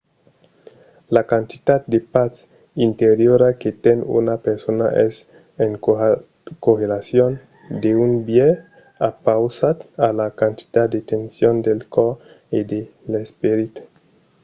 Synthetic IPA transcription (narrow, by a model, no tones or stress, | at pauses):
lakant̪i̥t̪at̪̚d̪epat͡s | int̪eɾjoɾaket̪enṵnapeɾsona̰ʔɛs | eŋ | koɾelasjon | d̪eunbje | apawsat̪alakant̪i̥t̪at̪̚d̪et̪ensjond̪elkɔɾ | ed̪elespeɾit̪u̥